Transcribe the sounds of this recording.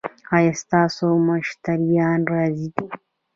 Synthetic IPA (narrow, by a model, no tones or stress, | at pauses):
ajast̪asomaʃi̥taɾijandɾazid̪i